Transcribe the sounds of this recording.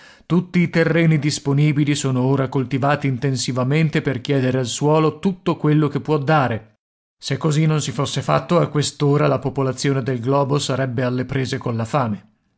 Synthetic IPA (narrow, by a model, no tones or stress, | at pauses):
t̪ut̪ːiːt̪erːɛːnid̪isponiːbilisoːnooːɾakolt̪ivaːt̪iːnt̪ensivament̪eperkjɛːd̪eɾealswɔːlot̪ut̪ːokwelːok̟epːwɔd̪ːaːɾe | sekːozinːonsifosːefa̰t̪ːoakːwest̪oːɾalapopolat̪sːjoːned̪elɡlɔːbosaɾɛbːealːepɾeːzekonlafaːme